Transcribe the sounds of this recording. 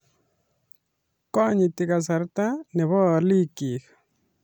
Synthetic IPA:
kɔ˦ɲi˨tɪ˨ka˨s̬a˨ɾt̪a˦nɛ˨βɔ˦˨li˦ki˨k

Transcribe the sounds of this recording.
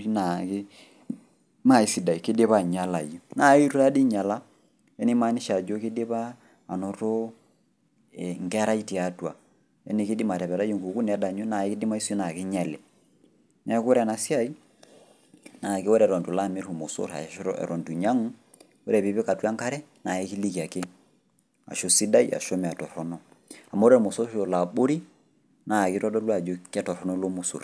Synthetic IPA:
i˦na˨kɪ˦ | ma˦˨i˦si˨da˨i˨ki˦de˦βa˦˨ɲa˦la˨jo˨na˨i˦ɾu˦ɾa˦di˦ɲa˨la˦ | ɛ˦ni˦ma˨˦ni˦ʃa˨d͡ʒo˦ki˦de˦βaː˦˨ | no˨ɾo˦ | ɛ˨ŋɡɛ˦ɾa˦i˦ti˨a˨˦twa̰˨ | ɛ̰˦ni˨˦kɪ˦di˦ma˨ɾɛ˨βɛ˨ɾa˦jo˦ŋɡu˨ku˦nɛ˨˦da˨ɲu˦na˨i˦kɪ˦di˦ma˦i˦so˦na˨kɪ˦ɲɛ˨lɛ˨ | nɛ˦ko˦ɾɛ˨na˨si˦a˦i˦ | na˨ke˦wo˦ɾɛ˨ɾɔ˨ntu˨la˦˨me˦ɾu˨mo˨so̰˦ɾa̰˨˦ɛ̰˨ɾɔ˨ntu˨ɲa˦ŋ˦ | o˦ɾɛ˨βi˨˦βe˦ka˨twa˦ŋka˦ɾɛ˦na˨ɛ˦ki˦li˦ki˨a˨ke˦ | a̰˨ʃo˦si˦da˦ḭ˦ʔa̰˨ʃɔ˦mɛ˨a˨tɔ˨ɾɔ˨nɔ˦ | a˨ma˦ɾɛ˦˨mo˨so˦ɾo˨la˨ɓo˦ɾi˦ | na˨ki˦ɾɔ˦dɔ˦lwa˨d͡ʒo˦kɛ˦tɔ˨ɾɔ˨nɔ˦lo˦mu˦so̰˨ɾ

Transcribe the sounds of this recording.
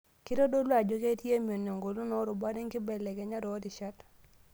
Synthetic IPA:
ki˦ɾo˦do˦lwa˨d͡ʒo˦ke˦ti˦e˦mjo˨ne˨ŋɡo˨lu˦nɔ˦ɾʊ˨ba˦dɛ˦ŋkɪ˦bɛ˨lɛ˨kɛ˨˦ɲa˦ɾo˨˦di˨ʃa˦t

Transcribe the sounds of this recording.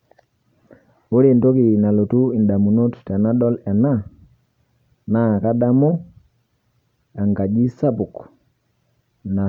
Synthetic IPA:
o˦ɾe˦˨nto˦ki˨na˨lo˨tu˦i˨nda˨mu˨no˦ttɛ˨na˦ɗɔ˦lɛ˨na˦ | na˦˨ka˦da˦mo˦ | a˨ŋɡa˨d͡ʒi˦sa˦pu˨k | na˨

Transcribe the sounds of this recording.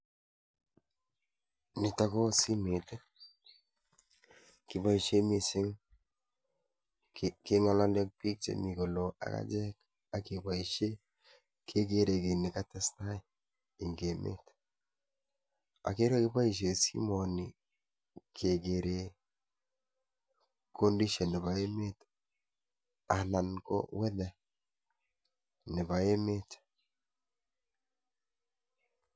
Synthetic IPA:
ni˨ta˦kɔ˦si˦me˨t | ki˨pa˦i˨ʃe˦mi˨sɪ˦ŋ | kɪ˨ŋɔ˨lɔ˦ndɛ˦k̚pi˦k̚t͡ʃḛ˨mi˨ko˨lo˨ʔa̰˨ka̰˦d͡ʒɛ˦k | a˨ki˨ba˨iʃe˦ | kʰe˦ke˦ɾe˨ki˨ni˨ka˦tɛ˦sna˦ | i˨ŋɡe˨mʔḛ˦t | a̰˨ke˦ɾwe˦ke˦βa˦i˦ʃ̬e˨sḭ˦mo˨ni˨ | kʰe˨ɡe˨ɾe˨ | ko˦ndi˦ʃe˨ne˨βa˨e˦me˦tḁ | a˨na˨nko̰˦we˦ðɛ˨ | ne˨βa˨e˦me˦tḁ˨

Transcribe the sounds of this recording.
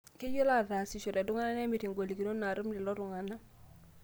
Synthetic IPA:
ki˦ju˦la˦ða˨si˨ʃu˨ɾe˨du˦ŋa˦na˦ne˦mi˨ti˨ŋɡo˨li˨ki˨no˦nːa˨ɾu˦mdi˨lo˦ɾu˨ŋa˨na˦

